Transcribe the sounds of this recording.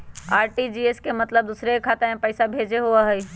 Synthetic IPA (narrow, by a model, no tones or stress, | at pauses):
aːɾʈid͡ʒiːeskemɐt̪ləb̚d̪uːsɾekʰaːt̪eɦɛ̃pɛːsabʱeːd͡ʒeɦuaɦɛi